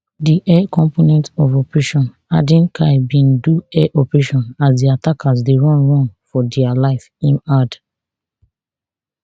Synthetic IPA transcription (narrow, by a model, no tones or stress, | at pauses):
diʔɛkɔ̃mponɛ̃ntɔvɔpɹeʃɔ̃n | a̰dĩnkʰaɪbĩnduɛʔɔpɹeʃɔ̃nasdiatakʰas̬deɹɔ̃nɹɔ̃nfɔdɛalaɪfĩnad